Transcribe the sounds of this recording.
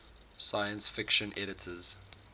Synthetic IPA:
sajə̃nsfɪkʃə̃nʔɛɾɪtʰəz̥

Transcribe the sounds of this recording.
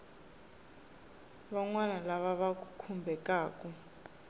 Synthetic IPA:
βaŋwanalaβaβak̬ʼukʰumbʱɛkʼaːkʼu

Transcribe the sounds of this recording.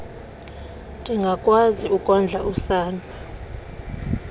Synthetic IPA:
tʼiŋɡʱakʼwaziukʼɔnd͡ɮʱaʔusaːna

